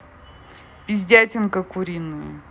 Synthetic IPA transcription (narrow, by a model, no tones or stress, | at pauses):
pʲizʲdʲatʲɪnkəkʊɾʲinɨj̰